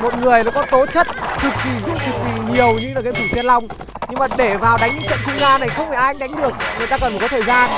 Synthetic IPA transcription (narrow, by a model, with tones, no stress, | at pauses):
mo˨˩t̚ŋɨ˨˩əjlaː˨˩kɔ˨˦t̪o˨˦t͡ɕə˦˥t̚t̪ʰɨ˨˩k̚ki˨˩zə˦˥ət̪ʰɨ˨˩k̚kḭ˨˩ɲi˨˩əwɲɨ˧lːkːmt̪ʰu˧˩t͡ɕɛ˧nla˧wŋ͡m | ɲɨ˧ŋmaː˨˩ɗe˧˩vaː˨˩wɗa˨˦jŋ̟ɨ̰˧˥ŋt͡ɕə̰˧˨nkʊ˧ŋ͡mzaː˧na˨˩jxə˧wŋ͡mhaː˧˩ʔaː˧jɗa˨˦jŋ̟ɗɨ˨˩ək̚ŋɨ˨˩əjt̪aː˧kə˩nfa˨˩kɔ˨˦t̪ʰːjzaː˧n